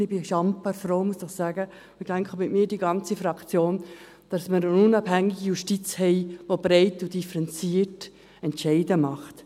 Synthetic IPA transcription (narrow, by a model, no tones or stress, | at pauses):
ɪbɪʃɑmpəɾfɾoʊmuəsəχsæːɡə | ɪɡd̥ɛŋkχəmɪtmiːɾdiɡɑnt͡sifɾɑkt͡sjoːn | d̥ɑsməɾənʊnɑbhæŋːɪɡijuʃtit͡shɛɪʋob̥ɾɛɪtud̥ifəɾɛnt͡siːət | ɛntʃɛɪdəmɑχt